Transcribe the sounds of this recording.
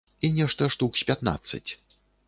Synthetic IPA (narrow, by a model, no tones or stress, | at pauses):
inʲɛʂt̪ɐʂt̪uksʲpʲat̪na̰t̪sːɨ̰t͡sʲ